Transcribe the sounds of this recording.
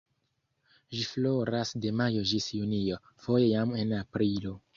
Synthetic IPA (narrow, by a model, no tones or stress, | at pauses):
ʒiflo̞ɾasde̞majo̞d͡ʒisjunio̞ | fo̞je̞jame̞napɾilo̞